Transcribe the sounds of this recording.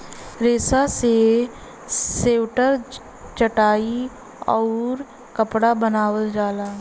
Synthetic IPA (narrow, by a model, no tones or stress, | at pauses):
ɾeːsase | seːʋʈəɾ | t͡ʃəʈaːi | ɔːɾ | kəpɽabənaːwəld͡ʒaːlaː